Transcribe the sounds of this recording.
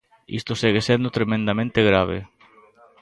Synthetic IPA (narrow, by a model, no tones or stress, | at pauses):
ḭst̪oseɣesend̪ot̪ɾemẽnd̪amẽnt̪eɣɾaβ̞ḛ